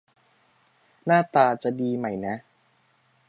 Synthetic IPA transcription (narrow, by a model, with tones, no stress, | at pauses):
naː˥˩t̪aː˧t͡ɕa˨˩diː˧ma˦˩jna˦˥